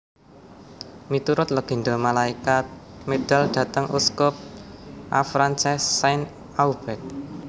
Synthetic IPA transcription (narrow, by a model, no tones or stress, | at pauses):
mit̪uɾʊt̪̚ləɡ̥e̤ɳd̪ɔmalaikat̪̚med̪̥a̤lɖ̪̥ä̤t̪əŋʔṵskʊp̚ʔa̰fɾant͡ʃɛsːajn | awb̥ɛt̪̚